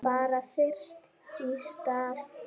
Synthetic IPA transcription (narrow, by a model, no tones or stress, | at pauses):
baɾafɛrst̪ | ist̪af